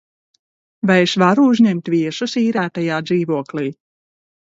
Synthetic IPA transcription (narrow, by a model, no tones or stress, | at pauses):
vajeʃvaɾuuzɲemt̪viɛʃusiːɾæːt̪ajaːd̪ziːvuɔkliː